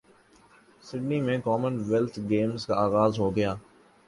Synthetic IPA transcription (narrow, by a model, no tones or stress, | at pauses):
sɪɖnimẽkɔːmənʋɛlt̪ʰɡeːmzkaaːɣaːzɦoːɡɐjaː